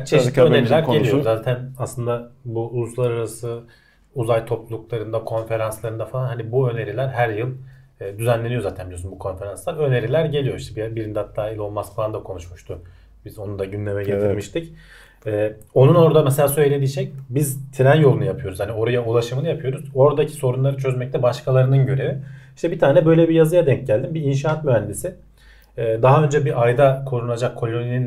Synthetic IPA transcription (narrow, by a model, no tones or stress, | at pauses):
t͡ʃʰeøe̞ɾilʲæɾɟe̞ijozaːt̪ʰænaslˠɯnd̪abuuzlˠaɾaɾasɯ | uzajt̪ʰo̞plˠulˠuklˠaɾɯnd̪akʰo̞nfe̞ɾanslˠaɾɯnd̪afalˠanɦanibuø̞ne̞ɾilʲæɾɦæɾjɯlˠː | d̪yzænlʲe̞nijo̞zaːt̪ʰænbilʲjosynbukʰo̞nfe̞ɾanslˠaɾø̞ne̞ɾilʲæɾɟe̞lʲijo̞iʃt̪ʰɛbibiɾind̪ɛhat̪ʰːaːilʲo̞lˠmasfalˠand̪akʰo̞nuʃmuʃt̪ʰʊ | bizo̞nund̪aɟynlʲe̞mɛɟet̪ʰiɾmiʃt̪ʰic | ɛːo̞nuno̞ɾd̪amɛselʲaːsøjlʲe̞d̪iːʃɛc̚bizt̪ʰiɾænjo̞lˠunujapʰɯjo̞ɾuz̥hanio̞ɾajaulˠaʃɯmɯnɯjapʰɯjo̞ɾuzo̞ɾad̪acʰi̥so̞ɾunlˠaɾɯt͡ʃʰø̞zmɛc̚t̪ʰɛbaʃkʰalˠaɾɯnɯnɟø̞ɾe̞viiʃt̪ʰɛbit̪ʰaːnɛbø̞jlʲebijazɯjad̪ɛɲc̚ɟælʲd̪imbiinʃaːat̪myænd̪isɪː | d̪aɦaø̞nd͡ʒɛbiʔajd̪akʰo̞ɾunad͡ʒakʰːo̞lʲo̞ninin